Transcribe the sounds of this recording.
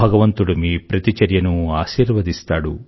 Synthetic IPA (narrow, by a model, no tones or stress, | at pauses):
ɐɡɐʋɐnt̪uɽumipɾɐt̪it͡ʃɐɾjɐnuaːʃiːɾʋɐd̪ist̪aːɽu